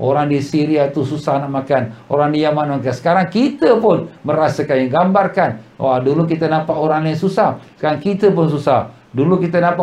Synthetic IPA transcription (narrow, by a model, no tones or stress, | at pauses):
ʔoɾaŋdisiɾiat̪ususahnak̚makanoɾaŋdijamanmakansə̥kaɾaŋkit̪əpʊnməɾasəkanjaŋɡambarkanwadulukit̪ənapaoɾaŋlaŋsusahsə̥kaɾaŋkit̪əp̬ʊns̬usah | dulukit̪ənapa